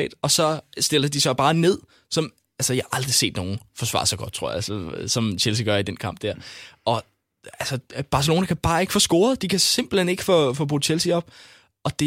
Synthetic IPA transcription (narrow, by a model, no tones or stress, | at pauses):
ɛ̰ːd̥ɒ̽sɒ̽sd̥e̝lɐd̥isɒ̽b̥ɑ̈ːne̝ð̰ˠ | sɒ̽m | ælsəjähʔɑ̈ld̥ʁise̝̰ːd̥no̝ːn̩fɒ̽sʋɑ̰̈sɒɡ̥ɒ̽d̥̚t͡sʰʁo̝ɐ̰ælsəsɒ̽mt͡ɕʰelsiɡ̥ɶɐid̥enkʰɑ̈m̰b̥d̥æɐ̰ʔɒ̽ | ælsəb̥ɑ̈s̬əlo̝ːnækʰæb̥ɑ̈ːe̝ɡ̥əfɔsɡ̥o̝ːɐðˠd̥ikʰæse̝mb̥l̩hene̝ɡ̥ə̥fɔfɔb̥ʁu̥ːt͡ɕʰelsiɒ̽b̥̚ | ʔɒ̽d̥e̝